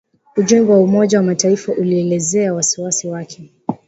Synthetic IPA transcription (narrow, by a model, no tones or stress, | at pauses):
uʄɛmɡɛwaumɔʄawamataifaʔuliɛlɛzɛawasiwasiwakʰɛ